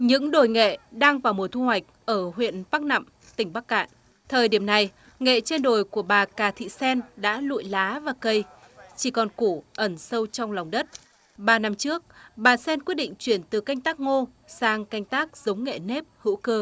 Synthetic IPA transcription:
ɲɨ̰˧˥ŋɗo˧˨˩jŋḛ˧˨ɗaː˧ŋvaː˨˩wmo˨˩t̪ʰu˧hwa˨˩jk̟̚ʔəː˧˩ɦwḭ˧˨ənpaː˦˥k̚na̰˧˨m | t̪ï˧˩ŋ̟ɓa˦˥k̚ːa̰ː˧˨n | t̪ʰəː˨˩jɗi˧˩əmna˨˩j | ŋḛ˧˨t͡ɕe˧nɗo˨˩jku˧˩əɓaː˨˩kaː˨˩t̪ʰḭ˧˨sɛ˧nɗa̰ː˧˥lṵ˧˨jlaː˨˦vaː˨˩kə˧˩j | t͡ɕi˧˩kɔ˨˩nku˧˩ʔə˧˩nsə˧wt͡ɕɔ˧wŋ͡mla˨˩wŋ͡mɗə˦˥t̚ | ɓaː˨˩na˧mt͡ɕɨ˦˥ək̚ɓaː˨˩sɛ˧nkwət̚ɗḭ̈˧˨ŋ̟t͡ɕwi˧˩ənt̪ɨ˨˩ka˧jŋ̟t̪aː˦˥k̚ŋo˧saː˧ŋka˧jŋ̟t̪aː˦˥k̚z̥ə˨˦wŋ͡mŋḛ˧˨ne˦˥p̚hɨ̰˧˥kə˧

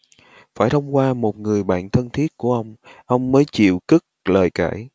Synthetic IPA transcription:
faː˧˩jt̪ʰə˧wŋ͡mkwaː˧mo˨˩t̚ŋɨ˨˩əjɓa̰ː˧˨nt̪ʰə˧nt̪ʰi˦˥ət̚ku˧˩əʔə˧wŋ͡mʔə˧wŋ͡mːəː˨˦jt͡ɕḭ˧˨əwkɨ˦˥k̚ləː˨˩jka̰ː˧˩j

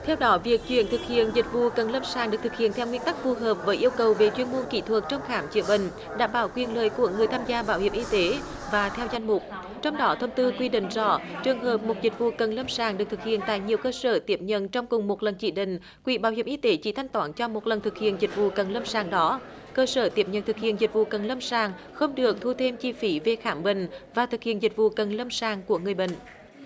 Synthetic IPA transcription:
t̪ʰɛ˧wɗɔ˨˦vi˨˩ək̚t͡ɕwḭ˧˨ənt̪ʰɨ˨˩k̚hḭ˧˨ənzï˨˩k̟̚vṵ˧˨kə˨˩nlə˧msaː˨˩ŋnɨ˨˩ək̚t̪ʰɨ˨˩k̚hi˧˨ənt̪ʰɛ˧wŋwi˧ənt̪a˦˥k̚fu˨˩ɦəː˨˩p̚vəː˨˦jʔi˧əwkə˨˩wve˨˩t͡ɕwi˧˥ənmu˧ənkḭ˧˨t̪ʰwə˨˩k̚t͡ɕɔ˧wŋ͡mxaː˨˦mt͡ɕḭ˧˩əɓï˧˨ŋ̟ | ɗa̰ː˧˩mɓaː˧˦wkwi˨˩ənləː˨˩jku˧˩əŋɨ˨˩əjt̪ʰaː˧mzaː˧ɓaː˧˩whi˧˩əmʔi˧t̪e˨˦ | vaː˨˩t̪ʰɛ˧wza˧jŋ̟mʊ˨˩k͡p̚ | t͡ɕɔ˧wŋ͡mɗɔ˨˦t̪ʰə˧wŋ͡mt̪ɨ˧kwi˧ɗḭ̈˧˨ŋ̟zɔ̰˧˥t͡ɕɨ˨˩əŋɦəː˨˩p̚mo˨˩t̚zï˨˩k̟̚vṵ˧˨kə˨˩nlə˧msaː˨˩ŋɗɨ˨˩k̚t̪ʰɨ˨˩k̚ḭ˧˨ənt̪a̰ː˧˨jɲi˨˩əwkəː˧səː˧˩t̪i˨˦˥əp̚ɲə̰˧˨nt͡ɕɔ˧wŋ͡mkʊ˨˩ŋ͡mmo˨˩t̚lə˨˩nt͡ɕi˧˩ɗḭ̈˧˨ŋ̟ | kwḭ˧˩ɓaː˧˩wɦi˧˩ʔi˧t̪e˨˦t͡ɕḭ˧˥t̪ʰa˧jŋ̟t̪waː˨˦nt͡ɕɔ˧mo˨˩t̚lə˨˩nt̪ʰɨ˨˩k̚hḭ˧˨ənzi˨˩k̟̚vṵ˧˨kə˨˩nlə˧msaː˨˩ŋɗɔ˨˦ | kəː˧səː˧˩t̪i˦˥əp̚ɲə̰˧˨nt̪ɨ˨˩k̚hḭ˧˨ənzi˨˩k̟̚vṵ˧˨kə˨˩nlə˧msaː˨˩ŋ | xə˧wŋ͡mɗɨ˨˩ək̚t̪ʰu˧t̪ʰe˧mt͡ɕi˧fi˨˦ve˧˩xaː˧˦mɓï˨ŋ̟vaː˨˩t̪ʰɨ˨˩k̚hḭ˧˨ənzi˨˩k̟̚vṵ˧˨kə˨˩nlə˧msaː˨˩ŋku˧˩əŋɨ˨˩əjɓḭ̈˧˨ŋ̟

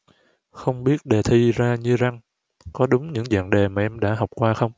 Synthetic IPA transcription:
xə˧wŋ͡mɓi˦˥ət̚ɗe˨˩t̪ʰi˧zaː˧ɲɨ˧za˧ŋ | kɔ˨˦ɗʊ˨˦ŋ͡mɲɨ̰˧˥ŋzə̰˧˨nɗe˨˩maː˨˩ʔɛ˧mɗa̰ː˧˥ɦɔ˨˩wk͡p̚kwaː˧xə˧wŋ͡m

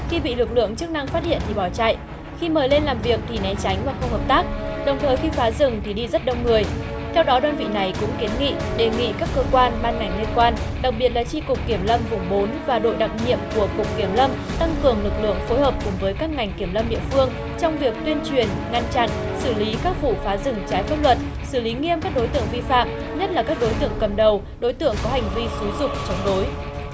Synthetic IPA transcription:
xi˧ɓḭ˧˨lɨ˨˩k̚lɨ̰˧˨əŋt͡ɕɨ˦˥k̚na˧ŋfaː˦˥t̚hḭ˧˨ənt̪ʰi˨˩ɓɔ˧˩t͡ɕa̰ː˧˨jʔ | xi˧məː˨˩jle˧nlaː˨˩mvi˨˩ək̚t̪ʰi˨˩nɛ˨˦t͡ɕa˨˦jŋ̟vaː˨˩xə˧ŋ͡mhəː˨˩p̚t̪aː˦˥k̚ɗə˨˩wŋ͡mt̪ʰəː˨˩jxi˧faː˨˦zɨ˨˩ŋt̪ʰi˨˩ɗi˧zə˦˥t̚ɗə˧wŋ͡mŋɨ˨˩əj | t̪ʰɛ˧wɗɔ˨˦ɗəː˧nvḭ˧˨na˨˩jkʊ̰˧˥ŋ͡mke˨˦nŋḭ˧˨ɗe˨˩ŋḭ˧˨kaː˦˥kːəː˧kwaː˧nɓaː˧nŋa˨˩jŋli˧ənkwaː˧n | ɗa˨˩k̚ɓi˨˩ət̚laː˨˩t͡ɕi˧kʊ˨˩k͡p̚kːi˧˩əmlə˧mvʊ˨˧˩ŋ͡mɓo˨˦nvaː˨˩ɗo̰˧˨jɗa˨˩t̚ɲḭ˧˨əmku˧˩əkʊ˨˩k͡p̚kːi˧˩əmlə˧m | t̪a˧ŋkɨ˨˩əŋlɨ˨˩k̚lɨ̰˧˨əŋfo˨˦jɦəː˨˩p̚kʊ˨˩ŋ͡mvəː˨˦jkaː˦˥k̚ŋa˨˩ŋ̟ki˧˩əmlə˧mɗḭ˧˨əfɨ˧əŋ | t͡ɕɔ˧wŋ͡mvi˨˩ək̚t̪wi˧ənt͡ɕwi˨˩ənŋa˧nt͡ɕa̰˧˨n | sɨ˧˩li˨˦kaː˦˥k̚vṵ˧˩faː˨˦zɨ̰˧˩ŋt͡ɕaː˨˦jfaː˦˥p̚lwə˨˩t̚ | sɨ˧˩li˨˦ŋi˧əmkaː˦˥k̚ɗo˨˦jt̪ɨ̰˧˨əŋvi˧fa̰ː˧˨m | ɲə˦˥t̚laː˨˩kaː˦˥k̚ɗo˨˦jt̪ɨ̰˧˨əŋkə˨˩mɗə˨˩w | ɗo˨˦jt̪ɨ̰˧˨əŋkɔ˨˦ha˨˩jŋ̟vi˧su˨˦zʊ˨˩k͡p̚t͡ɕɔ˨˦wŋ͡mɗo˨˦j

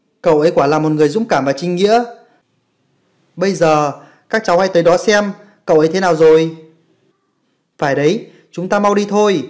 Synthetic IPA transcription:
kə̰˧˩˨wʔə˨˦jkwaː˧˩laː˨˩mo˨˩t̚ŋɨ˨˩əjzʊ̰˧˥mkaː˧˩mvaː˨˩t͡ɕï˧ŋ̟ŋḭ˧˥ə | ɓə˧jzəː˨˩ | kaː˦˥k̚t͡ɕa˨˦wha̰˧˥jt̪əː˨˦jɗɔ˨˦sɛ˧m | kə˧˨wʔə˨˦jt̪ʰe˨˦naː˨˩wzo˨˩j | faː˧˩jɗə˨˦j | t͡ɕʊ˨˦ŋ͡mt̪aː˧ma˧wɗi˧t̪ʰo˧j

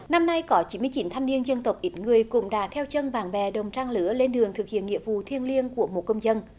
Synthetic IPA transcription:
na˧mna˧jkɔ˨˦t͡ɕi˨˦mɨ˧jt͡ɕi˨˦nt̪ʰa˧jŋ̟ni˧ənzə˧nt̪ə˨˩wk͡p̚ʔi˨˦t̚ŋɨ˨˩əjkʊ̰˧˥ŋ͡mɗa̰ː˧˥t̪ʰɛ˧wt͡ɕə˧nɓaː˨˩ŋɓɛ˨˩ɗə˨˩wŋ͡mt͡ɕaː˧ŋlɨ̰˧˦əle˧nɗɨ˨˩əŋt̪ʰɨ˨˩k̚hḭ˧˨ənŋḭ˧˨əvṵ˧˨t̪ʰi˧ənli˧ənku˧˩əmo˨˩t̚kə˧wŋ͡mzə˧n

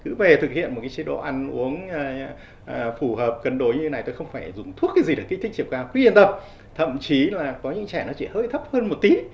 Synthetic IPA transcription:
kɨ̰˨˦ve˨˩t̪ʰɨ˨˩k̚hḭ˧˨ənm̚˨˩kaː˨˦t͡ɕi˨˦ɗo̰˧˨ʔa˧nʔu˨˦əŋː˧˩˨ | fu˧˩həː˨˩p̚kə˨˩nɗo˨˩jɲɨ˧t̪e˦na˨˩jt̪o˧jxə˧wŋ͡mfaː˧˩jzʊ˨˩ŋ͡mt̪ʰu˦˥ət̚kaː˨˦jzi˨˩ɗə˧˩k̟t̪ï̟˦t͡ɕi˧˩wkaː˧wki˧˦i˧nt̪ə˧˩p̚ | t̪ʰə̰˧˨mt͡ɕi˨˦laː˨˩kɔ˨˦ɲɨ̰˧˥ŋt͡ɕɛ˧˩nɔ˨˦t͡ɕḭ˧˩həː˧jt̪ʰə˦˥p̚həː˧nmo˨˩t̚t̪i˨˦

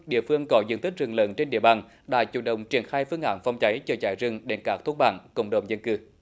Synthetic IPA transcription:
ɗḭ˧˨əfɨ˧əŋkɔ˨˦zɨ̰˧˥nt̪ʰï˦˥k̚zɨ˨˧˩ŋləː˨˦nt͡ɕe˧nɗḭ˧əɓaː˨˩n | ɗa̰ː˧˥t͡ɕṵ˧˩nɗə̰˧˨wŋ͡mt͡ɕi˧˩ənxaː˧jfɨ˧əŋʔa̰ː˧˩nfa˧wŋ͡mt͡ɕa˨˦jt͡ɕɔ˧t͡ɕaː˧˩jzɨ˨˧˩ŋɗe˨˩nkaː˦˥k̚t̪ʰu˧˥k̚ɓa̰ː˧˩nkə̰˧˩wŋ͡mɗo̰˧˨ŋ͡mzə˧nkɨ˧˩

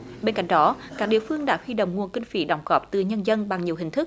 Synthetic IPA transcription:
ɓe˧nka̰˧˩jŋ̟ɗɔ˨˦kaː˦˥k̚ɗḭ˧˨əfɨ˧əŋɗa̰ː˧˥hwi˧ɗo̰˧˨wŋ͡mŋu˨˩ənkï˧ŋ̟fḭ˨˦ɗa˨˩wŋ͡mɣɔ˨˦˩p̚t̪ɨ˨˩ɲə˧nzə˧nɓa˨˩ŋɲi˨˩əwɦï˨˩ŋ̟t̪ʰɨ˦˥k̚

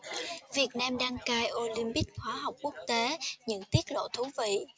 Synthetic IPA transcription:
vi˨˩ət̚naː˧mɗaː˧ŋkaː˧jʔo˧li˧mpï˦˥k̚xwaː˨˦ɦa˨˩wk͡p̚ku˦˥ək̚t̪e˨˦ɲɨ̰˧˥ŋt̪i˦˥ət̚lo̰˧˨t̪ʰu˨˦vḭ˧˨

